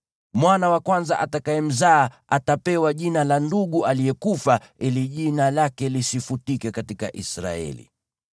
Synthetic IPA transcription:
mwanawakwanza̰ʔatakaɛm̩zaː | atapɛwaʄinalanduɠualijɛkufa | iliʄinalakɛlisifutikɛkatika̰ʔisɾa̰ɛ̰lḭ

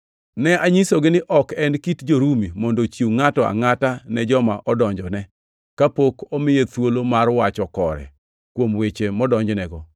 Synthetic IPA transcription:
nɛaɲisoɡɪnɪʔɔkɛnkitd͡ʒoɾumimɔndot͡ʃjuŋatɔa̰ŋatanɛd͡ʒɔmaʔɔdɔɲd͡ʒɔnɛ | kapokɔmɪjet̪wolomarwat͡ʃɔkɔɾɛ̰ | kwomwet͡ʃemɔdɔɲd͡ʒnɛɡɔ

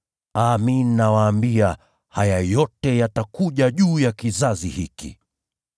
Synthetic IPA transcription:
aminːawaːmbia | hajajɔtɛjatakuʄaʄuːjakizazihikḭ

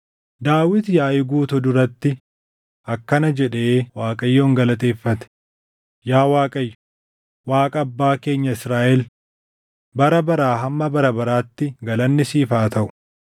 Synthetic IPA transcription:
d̪aːwɪt̪jaːʔɪɡuːt̪ʊd̪ʊɾɐt̪ːɪ | ʔɐkːɐnɐd͡ʒɛᶑeːwaːkʼɐjːoːŋɡɐlɐt̪e̞ːfːɐt̪ɛ̥ | jaːwaːkʼɐjːʊ̥ | waːkʼɐːbːaːke̞ːɲːɐɪsɾaːʔɛl | bɐɾɐbɐɾaːɦɐmːɐbɐɾɐbɐɾaːt̪ːɪɡɐlɐnːɪsiːfaːt̪ɐʔʊ̥

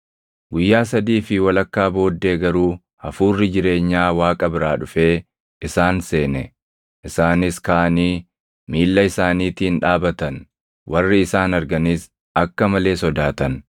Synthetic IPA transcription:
ɡʊjːaːs̬ɐd̪iːfɪwɐlɐkːaːbo̞ːd̪ːe̞ːɡɐɾuː | hɐfuːrːɪd͡ʒɪɾe̞ːɲːaːwaːkʼɐbɪɾaːᶑʊfe̞ː | ʔɪsaːnse̞ːnɛ | ʔɪsaːnɪskaʔɐniː | miːlːɐɪsaːniːt̪iːnᶑaːbɐt̪ɐn | wʔɐrːɪɪsaːnɐɾɡɐnɪs | ɐkːɐmɐle̞ːsɔd̪aːt̪ɐn

